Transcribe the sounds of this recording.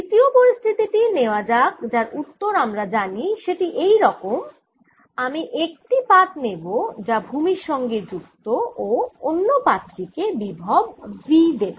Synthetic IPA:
d̪it̪iopoɾist̪ʰit̪iʈineoad͡ʑakd͡ʑaɾut̪ːoɾamɾad͡ʑaniʃeʈiʔejɾɔkom | amiʔek̚ʈipat̪nebod͡ʑabʱumiɾʃɔŋɡed͡ʑuk̚t̪ooonːopat̪ːɾikebibʱɔb̚bid̪ebo

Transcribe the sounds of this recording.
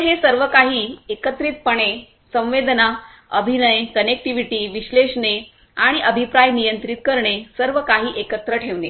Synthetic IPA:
ɦesəɾʋəkaɦiːekət̪ɾit̪̚pəɳe | sə̃w̃ʋed̪na | ə̰bʱinəjkənek̚ʈiʋiʈiːʋiɕleʂɳe | aɽ̃iʔəbʱipɾajnijənt̪ɾit̪kəɾɳesəɾʋəkaɦiːʔekət̪ɾəʈʰeʋne

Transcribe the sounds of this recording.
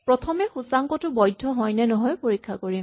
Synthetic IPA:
pɹɔt̪ʰɔmɛxusaŋkɔtʊbɔjdʱːɔɦɔjnɛnɔɦɔjpoɹikʰːakoɹim

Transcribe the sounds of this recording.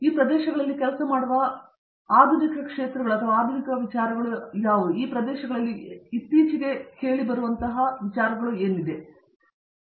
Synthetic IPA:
iːpɾɐd̪ɛːʃɐɡɐɭɐlːikɛlɐsɐmaːɽuʋɐ | aːd̪ʱunikɐkʂeːt̪ɾɐɡɐɭuɐt̪ʰɐʋaːd̪ʱunikɐʋit͡ʃaːɾɐɡɐɭujaːʋud̪uiːpɾɐd̪ɛːʃɐɡɐɭɐlːiːt̪ːiːt͡ʃiɡe̞he̞ːɭibɐɾuʋɐnt̪ɐɦɐʋit͡ʃaːɾɐɡɐɭue̞ːnid̪e̞

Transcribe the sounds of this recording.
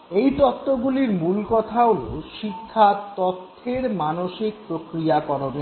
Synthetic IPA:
ejt̪ɔt̪ːoɡuliɾmulkɔt̪ʰaolo̰ʃikʰːat̪ɔt̪ʰːeɾmanoʃik̚pɾokɾiakɔɾone

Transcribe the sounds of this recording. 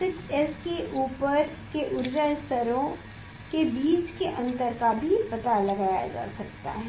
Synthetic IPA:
sɪtɛskeʔuːpəɾ | keʔʊɾd͡ʒast̪ɐɾõ | kebiːt͡ʃkeʔɐ̃nt̪əɾkabʱipɐt̪alɐɡaːja̰d͡ʒa̰ːsɐkt̪a̰ɦɛ

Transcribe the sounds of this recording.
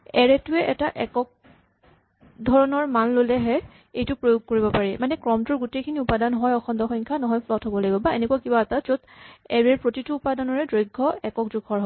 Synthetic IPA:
ɛɹɛtʊɛʔɛtaʔɛkɔk̚ | dʱɔɹɔnɔɹmanlolɛɦɛ | ejtʊpɹojoɡ̚koɹibɔpaɹimanɛkɹɔmtuɹɡutekʰiniupadanɦɔjɔxʰɔndɔxɔjŋkʰanɔɦɔjpʰlɔtɦɔbɔlaɡibɔbaenɛkuakibaːtazodɛɹɛɹpɹotituːpadanɔɹɛdɹojɡʱːɔɛkɔkzʊɡʱʰɔɹɦɔ

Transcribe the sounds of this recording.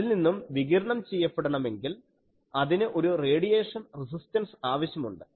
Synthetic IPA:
ilninːumʋiɣiɾɐɳɐmt͡ɕejːɐpːeɽɐɳɐme̞ŋɡil | ɐðinɨʔo̞ɾure̞ːɽijeːʂɐnris̬istɐnsaːʋɐɕjɐmuɳɖɨ̥

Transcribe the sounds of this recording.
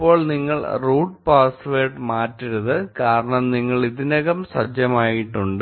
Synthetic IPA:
pːo̞ːɭniŋːɐɭruːʈ̚paːsʋeːʈmaːtːiɾuðɨkaːɾɐɳɐmniŋːɐɭiðinɐɣɐmsɐd͡ʑjɐmaːjiʈːuɳɖɨ

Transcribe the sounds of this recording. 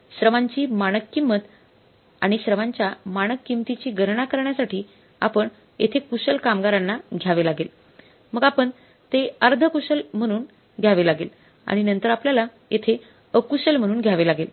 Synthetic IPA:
ɕɾəʋaɲt͡ɕiːmaɽ̃əkːimːət̪ | a̰ɽ̃iɕɾəʋãɲt͡ɕjamaɽ̃əkːimt̪it͡ɕiːɡʱəɾɳakəɾɳjasaʈiː | a̰pəɳ | jḛt̪ʰekusəlkamɡaɾanːaɡʱjaʋelaɡel | məɡapəɳ | t̪eəɾd̪ʱəkuɕəlm̤əɽ̃uːn | ɡʱjaʋelaɡel | a̰ɽ̃inənt̪əɾapljalajet̪ʰe | əkuɕəlm̤əɽ̃uːnɡʱjaʋelaɡel

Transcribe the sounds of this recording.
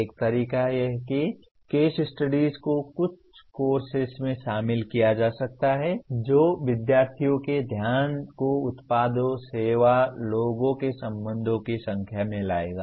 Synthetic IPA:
eːk̚t̪ɐɾiːkajɛɦki | keːʃɪsʈɐɖiːzkokʊt͡ʃʰkoːɾsɪsmẽʃaːmɪlkijad͡ʒaːsɐk̚t̪aɦɛd͡ʒoːʋɪd̪jaːɾt̪ʰijõked̪ʱjaːnkoʊt̪paːd̪oseːʋaloːɡõkesɐ̃mbə̃nd̪ʱõkisɐ̃ŋkʰjamẽlaːeːɡaː

